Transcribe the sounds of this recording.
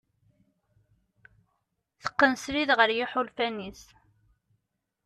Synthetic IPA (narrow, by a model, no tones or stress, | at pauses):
θə̥qːənsɾiðʁəɾjɪħʊlfænis